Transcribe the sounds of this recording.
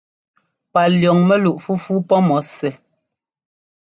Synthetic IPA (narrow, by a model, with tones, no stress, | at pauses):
pa˨ljɔ˨ŋmɛ˦lu˨ʔfu˦fu˦pɔ˦mɔ˨˦sɛ˨